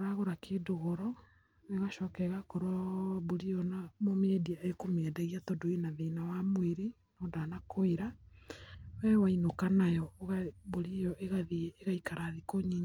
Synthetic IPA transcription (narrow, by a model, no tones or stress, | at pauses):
oɾaɣoɾakʰedoɣoɾɔ | eɣaʃɔːkɛɣakoɾɔβoɾijɔnamomediaekomeɛdɛɣiatɔdoinaðenawamweɾi | nɔːdanakoiɾa | wɛwainokanajɔɣaβoɾijɔʔeɣaðieɣaikaɾaðikoɲiɲa